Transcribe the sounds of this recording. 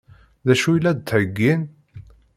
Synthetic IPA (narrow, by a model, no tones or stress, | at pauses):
ðæʃujlːæd̪t̪ʕəɡːin